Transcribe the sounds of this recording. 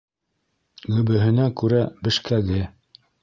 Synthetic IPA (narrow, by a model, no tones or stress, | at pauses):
ɡɵ̆bɘ̆ɦɘ̆nækʉɾæbɘ̆ʃkæɡɘ